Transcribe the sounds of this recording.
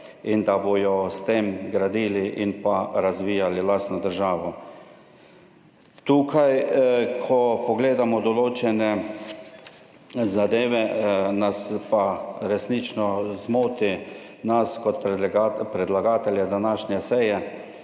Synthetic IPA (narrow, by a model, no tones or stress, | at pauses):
ind̪abojɔst̪eːmɡɾad̪iːliʔinpaɾazʋiːjalilaːst̪nɔd̪əɾʒaːʋɔ | t̪uːkʰajkʰɔpɔɡleːd̪amɔd̪ɔloːt͡ʃɛnɛ | zad̪eːʋɛnaspaɾɛsnit͡ʃnɔzmoːt̪i | naskɔt̪pɾɛd̪laɡaːt̪ɛljɛd̪anaːʃnɛsɛjɛ